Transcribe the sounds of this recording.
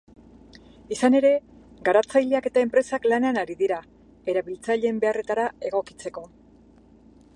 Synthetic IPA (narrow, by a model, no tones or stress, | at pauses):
isane̞ɾe̞ | ɡaɾat͡sajʎe̞ake̞t̪aempɾe̞saklaneanaɾiðiɾa | e̞ɾaβilt͡saʎe̞mbe̞are̞t̪aɾae̞ɣ̞o̞ki̥t͡se̞ko̞